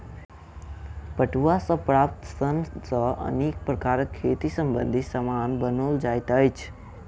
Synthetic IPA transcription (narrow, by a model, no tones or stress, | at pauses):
pəʈuasə̃pɾaːp̚t̪sənsəə̰neːk̚pɾəkaːɾəkʰːeːt̪isəmbənd̪ʱisəmanbənold͡ʒaːjt̪əjt͡ʃʰ